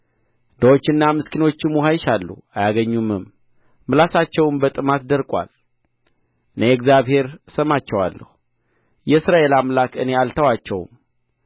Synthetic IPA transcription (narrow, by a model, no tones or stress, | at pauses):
nd̪əwot͡ʃːɨnːamɨskʰino̞t͡ʃːɪmːuɦajɪʃalːṵajaɡəɲːumɨmː | ɨlasat͡ʃːɛwnbət̪ʼɨmat̪d̪əɾkʼwa̰l | ɨnejɛɡzjaβhe̞ɾsəmat͡ʃːɛwa̰lːə̰hu | jɛɨsɾaʔe̞lamlakɨne̞alt̪ʰəwat͡ʃːɛw̰m